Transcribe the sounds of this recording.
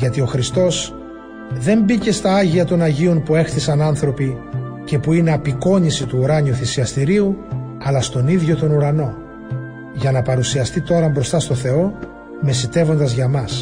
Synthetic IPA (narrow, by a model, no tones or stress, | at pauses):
ʝɐt̪io̞xɾist̪o̞s | ðe̞mbice̞st̪ɐɐʝiɐt̪o̞nɐʝio̞npue̞xθisɐnɐnθɾo̞pice̞puine̞ɐpiko̞ɲisit̪uːɾɐɲiuθisiɐst̪iɾiu | ɐlɐst̪o̞niðʝo̞t̪o̞nuɾɐno̞ | ʝɐnɐpɐɾusiɐst̪it̪o̞ɾɐmbɾo̞st̪ɐst̪o̞θe̞o̞ | me̞sit̪e̞vo̞nd̪ɐzʝɐmɐs